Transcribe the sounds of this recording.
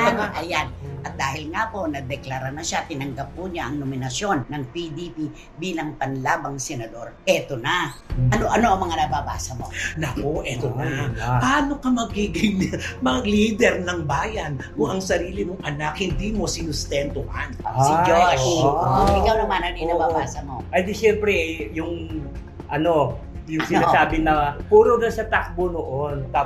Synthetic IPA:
ʔɐjanʔɐt̪̚d̪aːhɪlŋapo̞nɐd̪ɛklaɾɐnɐʃat̪ɪnɐŋɡap̚kʊɲaʔɐŋnomɪnɐsjo̞nːɐŋpid̪ipi | biːlɐŋpɐnlaːbɐŋsɛnɐd̪o̞ɾʔɛt̪onaʔɐnoʔɐno̞ʔɐŋmɐŋanɐbaba̰ːsɐmo̞nɐʔoʔɛtt̪onapaaːno̞kɐmɐɡiːɡɪŋmɐɡliːd̪ɛɾnɐŋbaːjɐnkʊŋɐŋsɐɾiːlɪmoŋʔɐnakhɪnd̪imo̞sɪnʊst̪ɛnt̪ʊha̰nsid͡ʒoʃʔɪkawnɐmanɐninɐbabaːsɐmoʔɐnd̪iʃɛmpɾɛjʊŋ | ʔɐno | jʊsɪnasaːbɪnɐpuːɾod̪ɐsɐt̪ak̚bonoʔont̪a

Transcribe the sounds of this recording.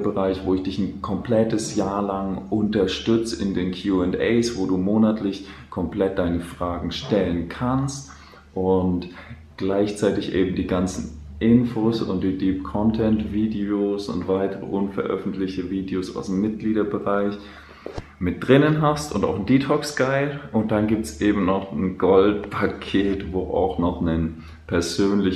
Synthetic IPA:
bəʁaɪçv̥oːɪçd̥ɪçn̩kʰɔmpl̥ɛtəsjaːɐlaŋʔʊntɐʃtʏt͡səɪndeːnkʰjuːɛntɛɪsv̥oːduːmoːnatʰlɪçkʰɔmpl̥ɛt̚d̥aɪnəfʁ̥aːɡŋ̩ʃtɛlənkʰanst | ʔʊnt | ɡ̥laɪçt͡saɪtɪçʔeːbm̩diːɡant͡sn̩ʔɪnfoːsʊ̰ntd̥iːdiːpkʰɔntʰɛntv̥iːdeoːsʊ̰ntv̥aɪtəʁə̰ʔʊnfɛɐʔœ̰fn̩tlɪçtəviːdeoːsa̰ʊsdemːɪt̚ɡ̥liːɾɐbəʁaɪç | mɪt̚d̥ʁɪnənɦastʊ̰nta̰ʊxn̩diːtʰɔkskaɪlʔʊnt̚d̥anɡiːp̚tsʔeːbm̩nɔχn̩ɡ̥ɔltpʰakʰeːtvoːʔa̰ʊxnɔχnən | pʰɛɐzøːnlɪ

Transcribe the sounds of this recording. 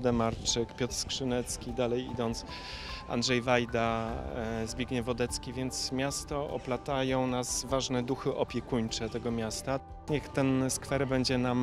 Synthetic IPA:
d̪ɛmaɾt͡ʂɘkpʲjɔt̪ɾskʂɘnɛt̪skʲid̪alɛjḭd̪ɔnt̪s | a̰ndʐɛjvajd̪a | zbʲjeɡɲɛvɔd̪ɛt̪skʲivʲjɛnt̪smʲjast̪ɔɔ̰plat̪ajɔ̃w̃nasvaʐnɛd̪uxɘʔɔpʲjɛkuɲt͡ʂɛt̪ɛɡɔmʲjast̪a | ɲɛxt̪ɛnskfɛɾbɛɲd͡ʑɛnam

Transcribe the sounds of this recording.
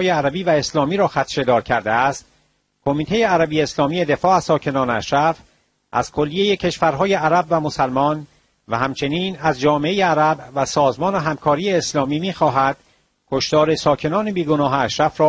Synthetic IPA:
jeæɾæbiːvæe̞slɒːmiːɾɒːxæt̪ʰʃe̞d̪ɒːɾcʰæɾd̪eæst̪ | kʰo̞miːt̪ʰe̞jeæɾæbijeeslɒːmije̞d̪e̞fɒːæz̥sɒːcʰe̞nɒːneæ̰ʃɾæf | ʔæ̰z̥kʰo̞lːije̞je̞cʰe̞ʃvæɾɦɒːje̞ʔæɾæbvæmo̞sælmɒːn | væhæmt͡ʃʰe̞niːnæzd͡ʒɒːmeejeæɾæbvæsɒːzmɒːneɦæmkʰɒːɾiːeːslɒːmiːmiːxɒːɦæd̪̥ | kʰoʃt̪ɒːɾe̞sɒːcʰe̞nɒːne̞biːɡonɒːɦeæʃɾæfɾɒː

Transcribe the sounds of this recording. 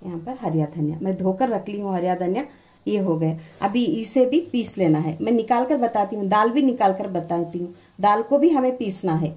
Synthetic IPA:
jɐɦãːpɐɾɦɐɾjaːd̪ʱɐnja̰mɛ̃ːd̪ʱoːkəɾːɐkʰliɦũɦɐɾjaːd̪ʱɐnja | jeɦoɡɐeɐ̰bʱiɪsebʱipiːsleːnaɦɛ̰ːmɛ̃ːnɪkaːlkəɾbɐt̪aːt̪iɦũd̪aːlbʱinɪkaːlkəɾbɐt̪aːt̪iɦũ | d̪aːlkobʱiɦɐmẽpiːsnaɦɛː

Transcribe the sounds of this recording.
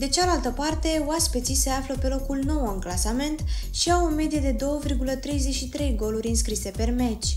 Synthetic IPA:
d̪e̞t͡ʃealalt̪əpart̪e̞oaspet̪sise̞afləpe̞lo̞kulno̞wɨŋklasame̞nt̪ʃiawonme̞d̪ijed̪e̞d̪o̞wəvirɡulət̪ɾe̞jze̞ʃit̪ɾe̞jɡo̞lurʲɨnskɾise̞pe̞rme̞t͡ʃʲ

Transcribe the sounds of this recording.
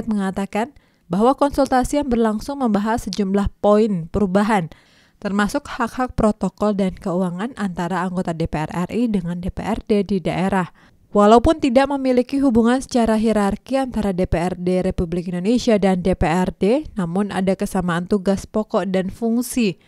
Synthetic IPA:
t̪̚məŋat̪akan | baɦwakɔnsult̪asijaŋbərlaŋsʊŋməmbaɦasəd͡ʒumlahpoɪnpəɾubaɦan | t̪ərmasʊk̚hakhak̚pɾot̪okɔldankəuaŋanʔant̪aɾaːŋɡot̪adepeɛ̰rɛ̰rʔidəŋandepḛʔɛrdedidaʔeɾah | walaupʊnt̪idaʔməmilikiɦubuŋansə̥t͡ʃaɾaɦiɾarkiant̪aɾadepeɛrdeɾepublɪkindonesiadandepeɛrdenamʊnʔa̰dakəsamaːnt̪uɡaspɔkɔʔdanfuŋsi

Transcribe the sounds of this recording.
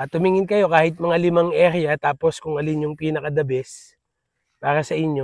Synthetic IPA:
t̪ʊmiŋɪnkɐjo̞kaːhɪt̪̚mɐŋalɪmaŋʔɛɾɪjɐt̪aːpo̞skʊŋɐlɪnjʊŋpiːnɐkɐd̪ɐbɛs | paːɾɐsɐʔɪɲjo

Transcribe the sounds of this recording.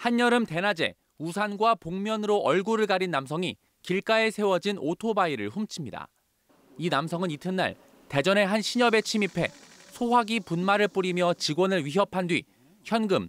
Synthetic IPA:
haɲːʌɾɯmte̞nad͡ʑe̞̰ | usʰanɡwapoŋmjʌnɯɾoʔʌɭɡuɾɯɭɡaɾinːamsʰʌŋi | kiɭk͈ae̞sʰe̞wʌd͡ʑinotʰobaiɾɯ̰ɭɸumt͡ɕʰimɲida̰ | inamsʰʌŋɯnitʰɯnːa̰ɭ | te̞d͡ʑʌne̞ɦanɕʰiɲʌbe̞t͡ɕʰimipʰe̞sʰoɦwaɡipunmaɾɯɭp͈uɾimjʌt͡ɕiɡwʌnɯɭɥiɦjʌpʰandɥi | çjʌnɡɯm

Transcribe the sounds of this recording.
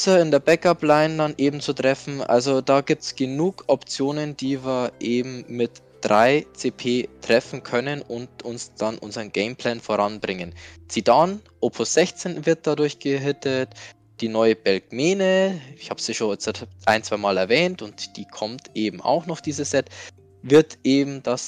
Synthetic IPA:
sɐɪndeːɐbɛkaplaɪndanʔeːbm̩t͡sutʁ̥ɛfn̩ʔa̰lzodaːɡiːp̚tsɡ̥ənuːkʰʔɔpt͡sjoːnənd̥iːviːɐʔeːbm̩mɪt | d̥ʁaɪt͡seːpʰeːtʁ̥ɛfn̩kʰœnənʊntʊnsd̥anʔʊ̰nzɐʁənɡ̥ɛɪmpʰl̥ɛːnfoːʁanbʁɪŋənt͡sidanʔoːpʰʊsz̥ɛçt͡seːnvɪɐt̚d̥adʊɐçɡ̥əɦɪtət | d̥iːnɔʏəbɛlkmeːnəɪçhaːbsiʃoːnʔaɪnt͡sv̥aɪmaːlɛɐvɛːntʊntd̥iːkʰɔmtʔeːbm̩a̰ʊxnɔχd̥iːzəsɛt | vɪɐtʔeːbm̩d̥as

